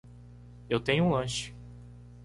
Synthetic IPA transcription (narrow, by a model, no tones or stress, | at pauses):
ewt̪ẽɲʊũlɐ̃ʃɪ̥